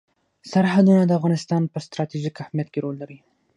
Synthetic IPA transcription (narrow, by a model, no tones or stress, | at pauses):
saɾɦad̪unad̪əafɣɑnɪst̪ɑnpəst̪ɾɑt̪iʒikahmjat̪̚keɾolːaɾi